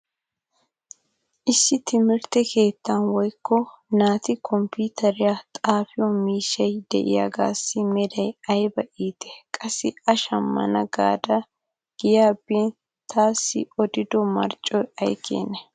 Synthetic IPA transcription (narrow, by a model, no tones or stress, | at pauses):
ʔɪsːɪt̪ɪmɪɾt̪ɛkʰe̞ːt̪ːɐnwɔjkːɔnaːt̪ɪkʰɔmpuːt̪ʰɐɾɪjat̪ʼaːfɪjɔmiːʃːɐjd̪ɛ̰ʔɪ̰ja̰ːɡa̰ːsːɪmɛd̪ɐjɐjbɐʔiːt̪ɛ̥kʼɐsːɪɐʃɐmːɐ̰nɐɡaːd̪ɐ | ɡ̥ɪjaːbiːn | t̪ʰːaːsːɪ̰ɔd̪ɪd̪ɔmɐ̰ɾt͡ʃʼːɔjɐjkʰḛːnɛ